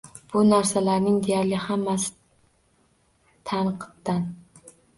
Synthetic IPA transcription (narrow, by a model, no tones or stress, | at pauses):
b̥ʊnaɾsalaɾnɪŋd̪e̞jaɾlɪhamːasɪ̥ | t̪ʰanqʰɨ̥p̚d̪an